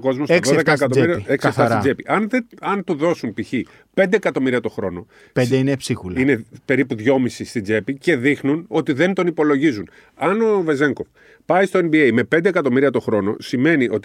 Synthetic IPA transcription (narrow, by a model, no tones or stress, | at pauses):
ko̞zmosoðekɐekɐt̪oiɾiɐeksɐθɐsiɐd͡ʒepiʔɐneɐnt̪uðo̞sunpiçi | pe̞nd̪eːkɐt̪o̞miɾiɐt̪o̞xɾo̞no̞ | ped̪einepsixulinepe̞ɾipuðʝo̞misist̪id͡ʒe̞pice̞ðixnuno̞t̪iðe̞nt̪o̞nipo̞lo̞ʝizun | ɐno̞ve̞ze̞ŋko̞f | pɐist̪oenbiejme̞pe̞nd̪ekɐt̪o̞miɾiɐt̪oxɾo̞no̞̰sime̞niʔo̞t̪i